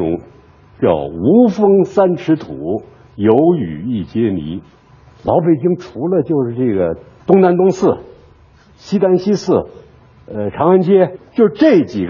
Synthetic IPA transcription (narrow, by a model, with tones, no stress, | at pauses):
ʊ̰˧˥ŋ | t͡ɕjɑ̰˥˩ʊu˧˥fɤ˥ŋsa˥nʂʰɻ̩˧˥t̪ʰu˨˩˦ | jo˧˥ʊy̰˨˩i˥˩t͡ɕjɛ˥nḭ˧˥ | lɑ˧˥ʊpe˨˩ɪt͡ɕi˥ŋʈ͡ʂʰu˧˥lə˧t͡ɕjo˥˧ʊʂɻ̩˥˧ʈ͡ʂɤ˥˩ɡə˩ | t̪ʊ˥ŋna˧˥nt̪ʊ˥ŋsɹ̩˥˩ | ɕi˥t̪a˥nɕi˥sɹ̩˥˩ | ə˧ʈ͡ʂʰɑ˧˥ŋə˥nt͡ɕjɛ˥t͡ɕjo˥˧ʂ̩˧ʈ͡ʂɤ˥˩t͡ɕi˨˩ɡ